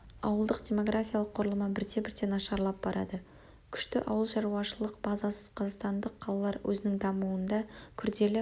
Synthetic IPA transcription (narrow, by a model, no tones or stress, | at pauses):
ɑ̰wəlˠd̪əqd̪ʲe̞mo̞ɡrafʲijalˠəqʰːoɾəlˠəmɑbɪɾt̪e̞bɪɾt̪e̞nɑʃɑɾlˠɑp̚b̥ɑɾʔɑ̰d̪ə | kʲʰʏ̥ʃt̪ɪʔɑ̰wəlˠʃɑɾuɑʃəlˠəqb̥ɑzɑsəz̥qʰɑzɑqst̪ɑnd̪əqʰːɑlˠɑlˠɑɾwʔɵ̰zɪnɪŋd̪ɑmuənd̪ɑkʲʰʏɾd̪e̞lɪ